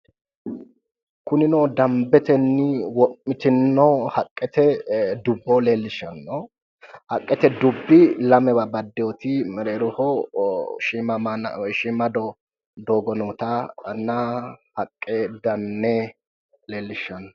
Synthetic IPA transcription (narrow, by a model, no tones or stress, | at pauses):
kʊnɪnod̪ɐmbɛt̪ɛnːɪwɔʔːɪt̪ɪnːɔhɐkʼːɛt̪ɛd̪ʊbːɔleːlːɪʃɐnːɔ | hɐkʼːɛt̪ɛd̪ʊbːɪlɐmɛbɐbɐd̪ːɛjɔt̪ɪmɛɾeːɾɔhɔ | ʃiːmɐnʃiːmɐd̪ɔ | d̪oːɡɔnɔːt̪anːɐhɐkʼːɛd̪ɐnːɛ | leːlːɪʃɐnːɔ